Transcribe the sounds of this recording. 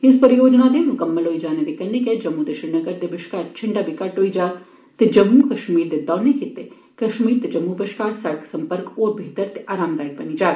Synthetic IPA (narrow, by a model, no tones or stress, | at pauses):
ɪspəɾɪjoːd͡ʒnad̪emʊkəmːəlɦoid͡ʒaːned̪ikɐlːɪked͡ʒɐmːud̪ɐʃɪɾnəɡəɾd̪ebɪʃkaːɾt͡ʃʰɪɳɖabʱikɐʈɦoːid͡ʒaː | t̪ed͡ʒɐmukɐʃmiːɾd̪ed̪ɔːnekɪt̪ːe | kɐʃmiːɾt̪ed͡ʒɐmːubɪʃkaːɾsɐɽəkʰsɐmpəɾkoːɾbʱiːt̪əɾt̪eʔaːɾaːmd̪aːik̚bɐnid͡ʒaː